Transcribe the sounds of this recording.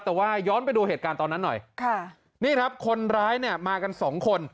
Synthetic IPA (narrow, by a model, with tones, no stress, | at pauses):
t̪ɛː˨˩waː˥˩jɔː˦˥npa˧jduː˧heː˨˩kaː˧nt̪ɔː˧nːa˦˥nːɔ˨˩jkʰa˥˩ | niː˥˩kʰɾa˦˥p̚kʰo˧nɾaː˦˥jni˥˩əmaː˧ka˧nsɔː˩˦ŋkʰo˧n